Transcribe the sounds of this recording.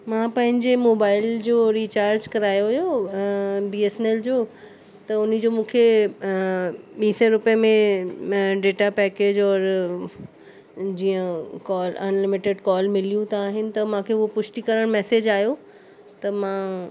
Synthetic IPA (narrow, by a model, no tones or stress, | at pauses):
mãːpɐ̃ɦɪ̃ɲd͡ʑemoːbaːɪld͡ʑoːɾiːt͡ɕaːɾd͡ʑkɐɾaːjoʋʊjo | biːesneld͡ʑoː | t̪ɐʊn̆d͡ʑoːmũːkʰe | ɓiːsɔɾʊpəjəmẽ | ɖeːʈapɛːkeːd͡ʑɔːɾ | d͡ʑiːə̃kɔːlɐ̰nlɪmɪʈeɖkɔːlmɪlijũt̪ʰaaːɦɪnɪ̆t̪ɐmãːkʰeːʊɦopʊʃʈikɐɾəɽ̃mɛːsed͡ʑaːɦijo | t̪ɐmã